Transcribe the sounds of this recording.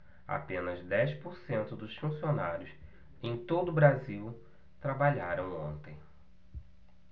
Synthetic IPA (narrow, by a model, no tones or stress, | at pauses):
a̰pẽnɐzd̪ɛjspoɾsẽnt̪ʊd̪ʊsfũsionaɾjʊs | ẽj̃t̪od̪ʊbɾaziw | t̪ɾabaʎaɾɐ̃w̃õnt̪ẽj̃